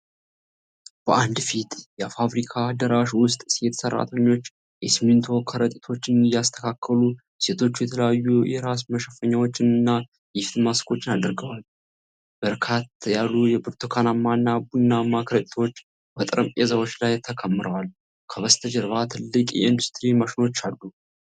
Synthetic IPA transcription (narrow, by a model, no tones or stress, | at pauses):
b̥əʔand̪fit̪jɛfaβɾikʰad̪əɾaʃwʊst̪ʼsjɛt̪ʰə̥sərːa̰t̪ʰəɲːo̞t͡ʃː | jɛsmːɨnt̪ʰo̞kʰəɾət̪ʼit̪ʰo̞t͡ʃːɪnɨjast̪ʰə̥kʰakʰːəlu | se̞t̪ʰo̞t͡ʃːujɛt̪ʰələjajːujɛɾas̬məʃəfəɲːawo̞t͡ʃːɪnɨnːa | jɛfid̪maskʰo̞t͡ʃːɪnad̪ɨɾɡəwal | b̥əɾkʰat̪jalːujɛbɨɾt̪ʰokʰanamːanːabunːamːakʰɾət̪ʼt̪ʰwot͡ʃː | bət̪ʼɨɾəmpʼezawo̞t͡ʃːlajt̪ʰːəkʰəmːɨɾʔəwal | kʰəβəst̪ʰəd͡ʒəɾβat̪ʰɨlːɨkʼjɛ̰ɨnd̪ust̪ʰʼɾiməʃɪno̞t͡ʃːalːu